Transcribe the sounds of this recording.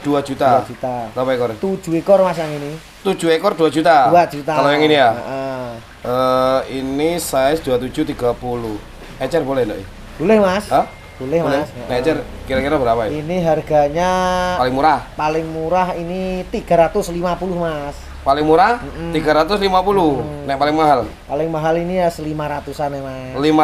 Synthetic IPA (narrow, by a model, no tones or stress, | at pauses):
d̥uad͡ʒ̥ut̪aad͡ʒut̪aapaɛkɔrt̪u̥d͡ʒ̥ṳekɔrmas̬jaŋini | t̪u̥d͡ʒ̥uekɔrd̥uad͡ʒut̪aduwḁd͡ʒ̥ut̪aalojaŋinijaəʔə | ʔəinisaɪsd̥uat̪ud͡ʒ̥ut̪iɡ̥apulʊh | ɛt͡ʃɛrbolɛhndɔ̰ʔɛ | b̥olɪhmasəh | b̥olɪhmlɛsnɛɛt͡ʃɛrkiɾakiɾabəɾapaiiniɦarɡaɲapalɪŋmuɾahpalɪŋmuɾaɦinit̪iɡ̥a̤ɾat̪ʊslimapulʊhmas | palɪŋmuɾahm̩m̩t̪iɡaɾat̪ʊslimapulʊnɛʔpalɪŋmaɦalpalɪŋmaɦalinijasəlimaɾat̪usanɛmalima